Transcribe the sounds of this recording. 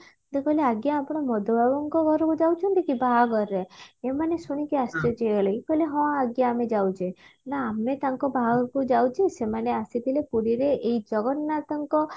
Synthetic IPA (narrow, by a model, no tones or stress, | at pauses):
d̪ekɔileaɡjaːpɽ̃ɔmɔd̪ʱɔbʱabɔŋkɔɡʱɔɾɔkud͡ʒawt͡ʃʰɔnt̪ikibaɦaɡʱɔɾeemanesuɽ̃ikiastɔd͡ʒeɭeikɔileɦɔ̃aɡjaːmed͡ʒawd͡ʒʰenaːmnet̪aŋkɔbaɦaɡɔɾkud͡ʒawt͡ʃʰesemaneasit̪ilepuɽiɾeʔeid͡ʒɔɡɔnnat̪ɔŋkɔ